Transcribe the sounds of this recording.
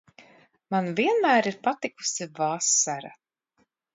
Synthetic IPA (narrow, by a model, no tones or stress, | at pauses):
manviɛnmæːɾiɾpat̪iku̥sivaːsːaɾa̰